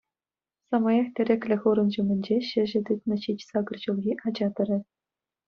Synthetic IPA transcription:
sɑmɑjɑxt̪ʲɘ̆ɾʲɘ̆kʲlʲɘ̆xuɾɤ̆nʑumʲɘ̆nʲd͡ʑeɕɘ̆ʑɘ̆d̪ɯt̪nɤ̆ɕit͡ɕsɑɡɤ̆rʑulˠɣʲiʔɑd͡ʑɑt̪ɤ̆rʲɘ̆

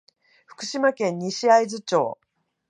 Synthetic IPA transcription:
ɸɯ̟̥kɯ̟ɕimakẽ̞ɲːiɕiaizɨt͡ɕo̞̰ː

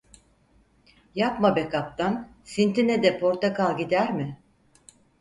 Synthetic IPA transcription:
japmabekap̚t̪an | sint̪ʰinɛd̪ɛpʰo̞ɾt̪akalˠɟid̪æɾmɪ

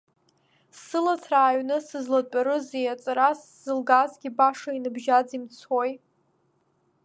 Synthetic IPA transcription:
sɨlat͡sʰraːɥnɨsɨzlat͡pʼaɾɨzejat͡sʼɾas | z̥ɨlɡazɡʲibaʂainɨbʒad͡zimt͡sʰoj

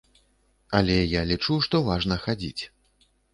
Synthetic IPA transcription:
ɐlʲɛjalʲit͡ʂuʂt̪ɔvaʐnɐxad͡zʲḭt͡sʲ

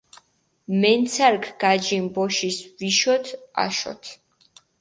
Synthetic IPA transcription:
mɛnt̪sʰaɾkʰɡ̥ad͡ʒimbɔʃisviʃɔt̪ʰa̰ʃɔ̰t̪ʰ

